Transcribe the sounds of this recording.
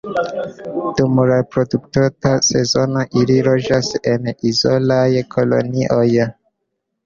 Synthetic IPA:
d̥umɾepɾo̞duktotase̞zo̞noʔiliɾo̞d͡ʒase̞nizolajkʰo̞lo̞̰niʔo̞j

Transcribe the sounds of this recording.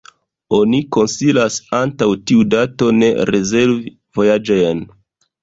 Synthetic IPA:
o̞niko̞nsilasantawtiudato̞ne̞̰ɾeze̞lvi | vo̞jad͡ʒo̞jn

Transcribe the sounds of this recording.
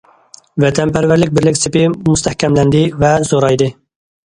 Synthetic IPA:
vɛt̪ʰɛnpʰæɾvæɾlɪk̚ʲbɪɾlɪkʲsɪpɪmust̪ʰɛhkʲɛmlɛnd̪ɪvɛzoɾɑjd̪ɨ

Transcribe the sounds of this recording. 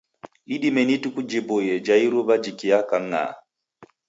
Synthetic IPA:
iɗimɛnitukud͡ʒibojɛd͡ʒaiɾubad͡ʒikijakaŋːa̰

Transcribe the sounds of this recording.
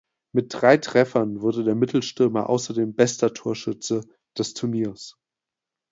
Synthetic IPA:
mɪt̚d̥ʁaɪtʁ̥ɛfɐnvʊɐdədeːɐmɪtl̩ʃtɪɐmɐʔa̰ʊsɐdeːmbɛstɐtʰuːɐʃʏt͡sə | d̥ɛstʰʊɐniːɐs

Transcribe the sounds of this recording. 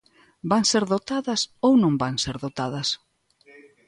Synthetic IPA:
baŋseɾðot̪aðɐsownõmbaŋseɾðot̪að̞ɐs

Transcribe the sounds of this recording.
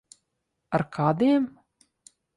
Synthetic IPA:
aɾkʰaːd̪iɛm

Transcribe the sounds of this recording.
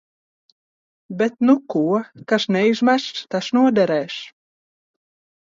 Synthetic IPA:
bɛt̪nukuɔkaʃnɛjʒmæʃt̪aʃnuɔd̪ɛɾɛːʃ

